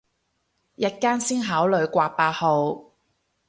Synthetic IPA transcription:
jɐ˥t̚kaː˥nsiː˥nɦaː˨˥wlɵ˨˧ɥkʷaː˧paː˧t̚ho˨˧w

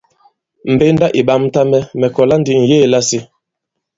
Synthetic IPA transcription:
m̩˨be˦nda˦ʔi˨ɓa˦m˦ta˦mɛ˦mɛ˨kɔ˨la˦ndi˨ŋ̩˨jeː˦˨la˦si˦

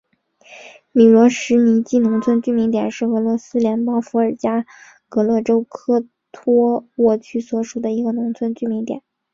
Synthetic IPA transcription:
mi˨˩lwɔ˧˥ʂɻ̩˧˥ni˧˥t͡ɕi˥˩nʊ˧˥ŋt͡sʰwə˥nt͡ɕy˥˩mi˧˥ŋt̪jɛ˨˩nʂɻ̩˥˩ɤ˧˥lwɔ˧˥sɹ̩˥ljɛ˧˥npɑ˥ʊfu˧˥ə˞˨˩t͡ɕja˥ | kɤ˧˥lɤ˥˩ʈ͡ʂo˥ʊkʰɤ˥ | t̪ʰɔ˥wɔ˥˩t͡ɕʰy˥˩swɔ˧˥ʂu˨˩d̪ə˦i˧˥ɡə˧nʊ˧˥ŋt͡sʰwə˥nt͡ɕy˥˩mi˧˥ŋt̪jɛ̰˨˩˦n

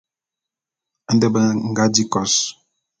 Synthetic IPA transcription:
n̩˦də˦bə˦˨ŋ̩˨ɡa˦di˦kɔ˨s

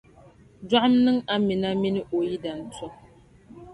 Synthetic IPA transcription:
da˦ʔmnɨ˦ŋa˦mi˨na˦mi˦nɨ˦ʔo˨ji˦da˨n̩˨tɔ˦

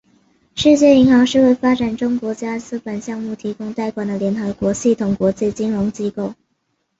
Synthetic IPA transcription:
ʂɻ̩˥˧t͡ɕjɛ˥˩i˧˥ŋxɑ˧˥ŋʂɻ̩˥˧we˥˩ɪfa˥ʈ͡ʂa˨˩nʈ͡ʂʊ˥ŋkwɔ˧˥t͡ɕja˥t͡sɹ̩˥pə˨˩nɕjɑ˥˧ŋmu˥˩t̪ʰi˧˥kʊ˥ŋt̪a˥˩ɪkwa˨˩nd̪ə˦ljɛ˧˥nxɤ˧˥kwɔ˧˥ɕi˥˩t̪ʰʊ˨˩ŋkwɔ˧˥t͡ɕi˥˩t͡ɕi˥nɻʊ˧˥ŋt͡ɕi˥ko˥˩ʊ

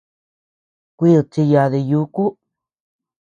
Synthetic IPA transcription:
kʷi˦˨˧t͡ʃi˧ja˧ði˧ju˧˦ku˦

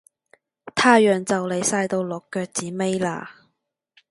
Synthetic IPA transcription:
t̪ʰaː˥jœː˨ŋt͡sɐ˨wle˨˧jsaː˧jt̪o˧wlɔ˨kːœː˧k̚t͡siː˨˥me˥jla̰ː˧

